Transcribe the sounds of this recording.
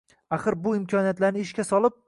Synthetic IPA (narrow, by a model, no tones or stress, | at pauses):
aχɨɾbʊɪmkʲʰɒnijat̪laɾnɪɪʃkʲasɒlˠɪp̚